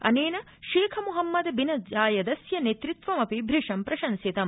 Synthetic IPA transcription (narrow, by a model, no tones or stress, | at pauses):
ɐ̰neːnɐ | ʃeːkʰɐmuɦɐmːɐd̪ɐbinɐd͡ʒaːjɐd̪ɐsjɐnet̪ɾit̪ʋɐmɐpibʱɾiʂɐmpɾɐʃɐnsit̪ɐm